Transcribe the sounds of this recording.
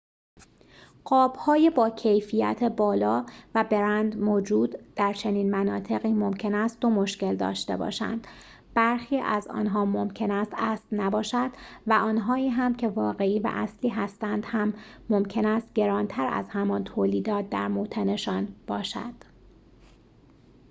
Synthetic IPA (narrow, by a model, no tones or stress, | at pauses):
ɢ̥ɒːb̥hɒːjebɒːcʰe̞jfijæ̰t̪ʰebɒːlɒːvæbe̞ɾænd̪moːd͡ʒuːd̪̥ːæɾt͡ʃʰe̞niːnmænɒːt̪ʰe̞ɣiːmo̞mcʰe̞næst̪t̪o̞mo̞ʃce̞ld̪ɒ̰ːʃt̪e̞̰bɒ̰ːʃæ̰nd̪̥ | b̥æɾxiːʔæzɒ̰ːnɦɒːmo̞mcʰe̞næst̪æːslnæbɒːʃæd̪̥væʔɒːnɦɒːiːɦæmcʰe̞vɒːɣe̞iːvæ̰ʔæsliːɦæst̪ænd̪̥hæmːo̞mcʰe̞næst̪̚ɟe̞ɾɒːnt̪ʰæɾæ̰zhæmɒːnt̪ʰoːliːd̪ɒːt̪̚d̪æ̰ɾmot̪ʰene̞ʃɒːnb̥ɒːʃæ̰d̪̥